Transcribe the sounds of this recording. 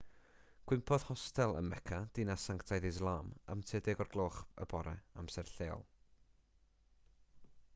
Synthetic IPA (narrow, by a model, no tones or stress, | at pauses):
ɡ̥wɪmpʰɔð̥hɔstɛlˠə̰nmɛkʰad̥inasaŋktʰajðɪzlˠaːma̰mtʰɛdɛɡɔrɡlˠoːχə̰bɔɾɛ̰a̰msɛrɬeːɔ̰lˠ